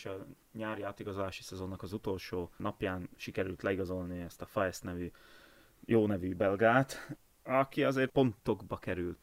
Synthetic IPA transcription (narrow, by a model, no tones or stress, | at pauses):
ʃɒ | ɲaːɾiaːt̪iɡɒzolaːʃi̥sɛzo̞nːɒkɒzut̪o̞lʃoːnɒpjaːnʃikɛɾylt̪lɛiɡɒzo̞lniɛst̪ɒfɒjɛsnɛvy | joːnɛvybɛlɡaːt̪ | ɒkiɒzeːr̚po̞nt̪o̞ɡbɒkɛɾylt̪